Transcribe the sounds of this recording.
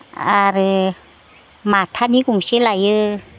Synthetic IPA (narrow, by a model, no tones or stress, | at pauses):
aɾɯ | mat̪ʰanikuŋsilajɯ